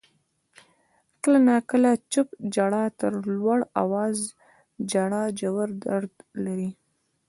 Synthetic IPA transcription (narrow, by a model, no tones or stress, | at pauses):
kəlanakəlat͡ʃəpd͡ʒaɽɑt̪əɾlwaɽa̰wɑz | d͡ʒaɽɑd͡ʒawaɾd̪aɾd̪laɾi